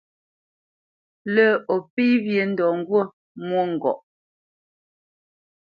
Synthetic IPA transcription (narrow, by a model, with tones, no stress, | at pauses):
lə˦˨ɔ˨pi˦βje˨n̩˦dɔ˨ŋ̩˦ɡwo˦˨ | mwo˦ŋ̩˨ɡɔ̰˨ʔ